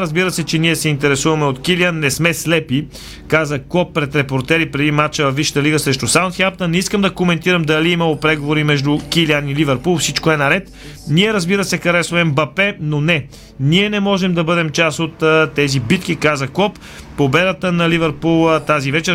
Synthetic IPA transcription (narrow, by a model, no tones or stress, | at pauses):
ɾəzbiɾəsɛt͡ʃɛniɛsɛint̪ɛɾɛsuvɐmɛot̪kilianːɛsmɛslɛpi | kazəkɔpːɾɛt̪ɾɛpoɾt̪ɛɾipɾɛd̪imat͡ʃəvɐfːiʃə̥t̪əliɡəsɾɛʃt̪ʊsaʊ̃nt̪xɛp̚t̪ɐnːɛiskəmd̪ɐkomɛnt̪iɾəmd̪ɐliiməlˠopɾɛɡovoɾimɛʒd̪ukilianilivɛɾpulˠfsit͡ʃkoɛnɐɾɛt̪ | niɛɾɐzbiɾəsɛkɐɾɛsoɛmbɐpɛnonɛ | niɛnɛmɔʒɛmd̪ɐbɤd̪ɛmt͡ʃasot̪ːt̪ːɛzibit̪k̟ikazəkɔpː | obɛd̪ət̪ənɐlivɛɾpulˠt̪azivɛt͡ʃɛɾ